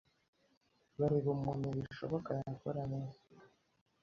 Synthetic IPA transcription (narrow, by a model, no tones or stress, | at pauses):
βaɾiβumunuβiʃo̞̰βokajakoɾaneza